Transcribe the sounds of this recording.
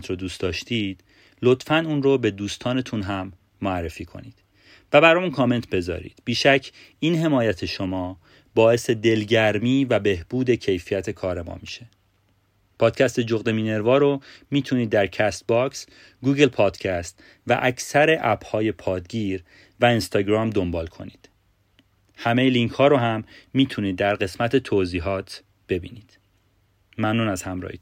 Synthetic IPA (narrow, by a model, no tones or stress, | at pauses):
t̪ɾod̪uːst̪ɒːʃt̪ʰiːd̪̥ | lo̞t̪fænuːnrobe̞d̪uːst̪ʰɒːne̞t̪ʰunɦæmː | oærːe̞fiːkʰo̞̰niːd̪̥ | væbæɾɒmunkʰɒːme̞nt̪ʰbe̞zɒ̰ːɾḭːd̪̥biːʃæcʰː | iːnɦe̞mɒːjæt̪ʰe̞ʃo̞mɒː | bɒːe̞se̞d̪e̞lɟæɾmiːvæbe̞hb̥uːd̪e̞cʰe̞jfijæt̪ʰe̞kʰɒːɾemɒ̰ːmiʃe̞ | pʰɒːd̪̥̚cʰæst̪e̞d͡ʒoɣd̪e̞miːne̞ɾvɒːɾomiːt̪ʰuniːd̪ːæɾcʰæst̪̚bɒks | ɡuːɡe̞lpʰɒːd̪̥cʰæst̪ | væ̰ʔæcʰsæɾe̞ʔæbhɒːje̞pʰɒːd̪ɟiːɾ | væinst̪ɒːɟɾɒːmd̪o̞mbɒːlkʰo̞̰niːd̪̥ | hæme̞jeliŋcʰhɒːɾoɦæmːiːt̪ʰuniːd̪ːæɾɢe̞smæt̪ʰe̞t̪ʰoːziːɦɒːt̪ʰ | b̥e̞bḭːniːd̪̥ | mæmnuːnæzhæmɾɒ̰ːhi